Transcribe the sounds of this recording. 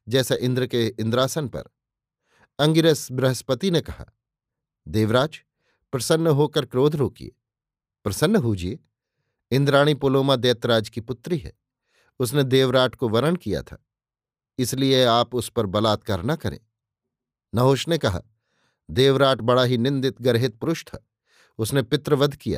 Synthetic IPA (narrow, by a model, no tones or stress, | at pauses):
d͡ʒɛːsaʔɪ̃nd̪ɾəkeɪ̃nd̪ɾaːsənpɐ̰ɾ | ɐ̃ŋɡɪɾəsbɾɐɦəspət̪inekɐɦa̰ː | d̪eːʋɾaːd͡ʒ | pɾɐsənːɦoːkəɾkɾoːd̪ʱɾoːkḭḛ | pɾɐsənːɦuːd͡ʒie | ɪ̃nd̪ɾaːɽ̃ipoːloːmad̪eːt̪ɾaːd͡ʒkipʊt̪ɾiɦɛ̰ː | ʊsned̪eːʋɾaːʈkoʋɐɾəɳkija̰t̪ʰa̰ː | ɪslieaːpʊspɐɾbɐlaːt̪̚kəːɾnɐkɐɾḛ̃ː | nɐɦoːʃnekɐɦa̰ː | d̪eːʋɾaːʈbɐɽaɦinɪ̃nd̪ɪt̪ɡɐɾɦɪt̪̚pʊɾʊʃt̪ʰa̰ː | ʊsnepɪt̪ɾəʋɐd̪ʱkija̰ː